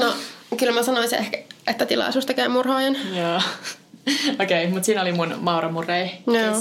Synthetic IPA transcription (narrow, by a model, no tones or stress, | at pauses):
nokylmæsɑnoisiʔehkæet̪ːæt̪ilɑ̰isuːst̪ɑkæimurhoːjenjoː | okeimut̪siːnolimunmɑurɑmureijoː